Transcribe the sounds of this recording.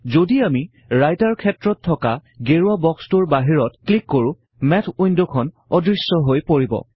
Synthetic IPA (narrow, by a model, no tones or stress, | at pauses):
zodiami | ɹajtaɹkʰɛtɹɔtʰːɔkaɡeɹuabɔkstuɹbaɦiɹɔtklikːoɹʊ̃ | mɛtʰujndɔkʰɔn | ɔdɹisːɔɦojpoɹibɔ̰